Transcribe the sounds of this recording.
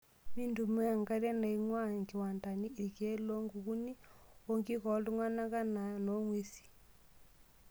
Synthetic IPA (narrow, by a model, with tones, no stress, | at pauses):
miː˦ndu˨me˦a˨ŋɡa˦ɾa˦na˨i˦ŋwa˦ŋɡi˨wa˨nda˨ni˦ʔi˨ke˦lo˦ŋɡu˨ɣu˦ni˦o˦ŋɡi˦kɔ˨˦lu˦ŋa˦na˦ka˦na˨no˦ŋwe˦si̥˨